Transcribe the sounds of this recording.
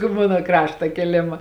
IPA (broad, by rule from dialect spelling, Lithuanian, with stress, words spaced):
ˈmɑːnoː ˈkrɑːʃtɐ kʲeːˈlʲeːmɐ